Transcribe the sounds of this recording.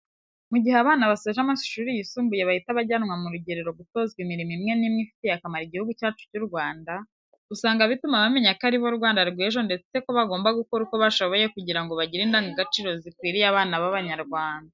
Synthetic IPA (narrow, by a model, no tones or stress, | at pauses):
muɟiheaβaːnaβaseʒamasu̥ʃuːɾijisuːmbuje̞βahitaβaɟaːnŋwamuɾuɟe̞ɾeɾo̞ɡuto̞ːzɡwimiɾimimŋe̞nimŋifi̥tejakamaɾiɟihuɡucaːt͡ʃu̥cuɾɡwaːnda | usaːŋɡaβitumaβame̞ɲakaɾiβo̞ɾɡwaːndaɾɡeʒo̞nde̞t͡se̞koβaɡo̞ːmbaɡuko̞ɾuko̞βaʃo̞βo̞je̞kuɟiɾaŋɡo̞βaɟiɾiːndaːŋɡaɡat͡ʃiɾo̞zikwiːɾijaβaːnaβaβaɲaɾɡwaːnda